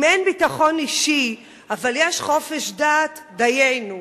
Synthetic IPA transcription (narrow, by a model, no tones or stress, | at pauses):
menbitaχo̞niʃi | avaljeʃχo̞feʃdaːt̪dajejnu